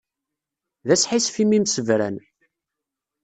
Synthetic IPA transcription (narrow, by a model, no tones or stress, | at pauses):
ðæsħisfimimsəvɾæ̰n